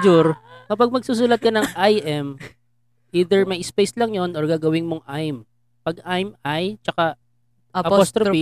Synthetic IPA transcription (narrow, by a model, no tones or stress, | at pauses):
d͡ʒʊɾkɐpɐɡ̚mɐɡ̚suːs̬uːlɐt̪̚kɐnɐŋʔajʔɛm | ʔiːd̪ɛɹmɐjspejslɐŋjonʔɔɹɡaːɡɐwɪnmoŋʔajm | pɐɡ̚ʔajmʔajt͡ʃɐka | ɐost̪ɾoi